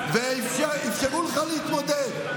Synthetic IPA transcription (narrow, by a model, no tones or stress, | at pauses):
veifʃaifʃeʁuləχaleɦit̪mod̪ed̪